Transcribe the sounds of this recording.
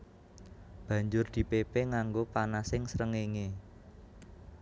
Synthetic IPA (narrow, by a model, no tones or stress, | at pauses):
b̥ä̤ɲd͡ʒʊrd̪̥i̤pepeŋaŋɡopanasɪŋsɾəŋeŋe